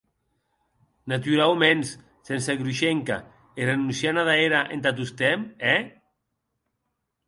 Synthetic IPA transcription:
nat̪yɾawmens | senseɣɾuʃeŋka̰ | erenunsjanaðaeɾaʔḛnt̪at̪̬ust̪ɛmɛ

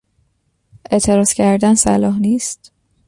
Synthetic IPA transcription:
ʔe̞ʔt̪ʰe̞ɾɒːz̥cʰæɾd̪ænsæ̰lɒːɦniːst̪

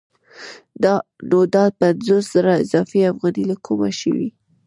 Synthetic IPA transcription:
d̪ɑ | nod̪ɑd̪̚panzosz̥aɾaɪzɑfiafɣɑnilakʰuma̰ʃə̰wi

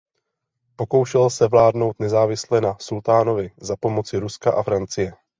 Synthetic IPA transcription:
po̞ko̞wʃɛlsɛvlaːdno̞wt̪nɛzaːvɪslɛnasult̪aːno̞vɪzapo̞mo̞t͡sɪɾuskaʔafɾant͡sɪjɛ

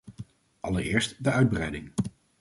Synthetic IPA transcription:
ʔɑləɹɪːɹstdəœɥd̚brɛjdɪŋ

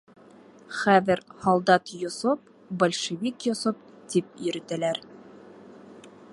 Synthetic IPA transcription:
χæðɘɾhɑlˠd̪ɑt̪jŏsop̚ | bɒlʲʃĕvʲikjosop̚t̪ip̚jɵ̆ɾɘ̆t̪ælæɾ

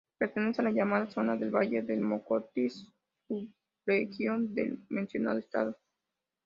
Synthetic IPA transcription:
pe̞ɾt̪ene̞sealaʝamað̞aso̞naðe̞lβaʝeðelmo̞kot̪is | uβ | ɾexjo̞nd̪ḛlmẽ̞nsjo̞na̰ðoest̪a̰ð̞o̞

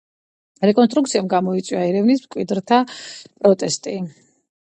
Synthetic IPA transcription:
ɾɛkʼɔnst̪ʼɾuk̪̚sʰiamɡamɔit̪sʼwiaɛɾɛvnismkʼwid̪ɾt̪ʰapʼɾɔt̪ʼɛst̪ʼi

